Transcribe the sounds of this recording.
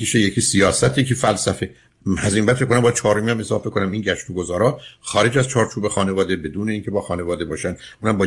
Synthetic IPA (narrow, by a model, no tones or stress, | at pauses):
iʃejecʰisijɒːsæt̪ʰjecʰiːfælsæfe̞ | æzimbæd̪fekːonæmbːjæd̪t͡ʃʰɒːɾomiæmezɒːfbekʰonæminɟæʃt̪uɡozɒːɾɒːxɒːɾe̞d͡ʒæz̥t͡ʃʰɒːɾt͡ʃʰuːbexɒːne̞vɒːd̪e̞be̞d̪uːne̞iːŋcʰe̞bɒːxɒːne̞vɒːd̪ebɒːʃænʔunhæmbɒː